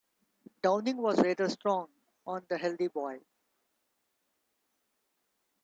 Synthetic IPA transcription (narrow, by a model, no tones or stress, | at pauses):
ɖãʊ̃nɪ̃ŋʋɔːzleːʈəɾsʈɾɔ̃ːŋ | ɔ̃ːnd̪əɦɛld̪ibɔɪ